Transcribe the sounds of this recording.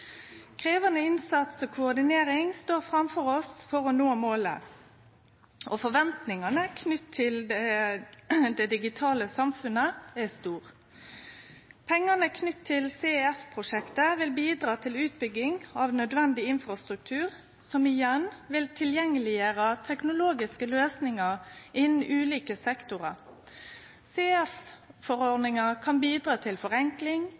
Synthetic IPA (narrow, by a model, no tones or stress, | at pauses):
kʰʁeːʋɑnəɪnsɑt̪sɔːkʰʊɔd̪ɪneːɾɪŋst̪oːʁfɾɑmfɔʁɔsfɔʁɔnoːmoːlə̰ | ʔɔfɔʋɛnt̪nɪŋɑnəkʰnʏt̪ʰːɪl | d̪ɛd̪ɪɡɪt̪ʰɑːləsɑmfʉnəæst̪uːʁ | pʰɛŋːɑnəkʰnʏt̪ʰːɪlseɛɛfpʰʁʊʂɛkt̪əʋɪlbiːd̪ʁɑːt̪ʰɪlʉːt̪̚bʏɡːɪŋɑʋnœd̪ʋɛnd̪ɪɪnfʁɑst̪ɾʉk̚t̪ʰʉːʁ | sɔmɪjɛnʋɪlt̪ʰɪljɛŋːəlɪjəɾət̪ʰɛknʊloːɡɪskəløːsnɪŋəʁʔɪnn̩ʔʉːliːkəsɛkt̪ʊʁɑ | seːɛffɔʁɔʁd̪nɪŋəkʰɑnbiːd̪ʁɑːt̪ʰɪlfɔʁɛŋklɪŋ